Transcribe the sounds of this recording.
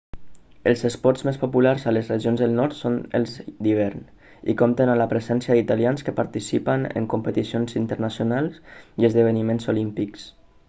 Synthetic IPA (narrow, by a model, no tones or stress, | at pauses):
əlˠzəspɔɾzmespopulaɾzələzrəʒionzðəlˠnɔɾt̪sonə̰lˠzd̪iβ̞ɛɾn | ḭkɔmt̪ənaləpɾəzɛnsiəd̪it̪alianskəpaɾt̪isipənə̰ŋkumpət̪isionzint̪əɾnasjunalˠsiəzðəβ̞ənimenzolimpiks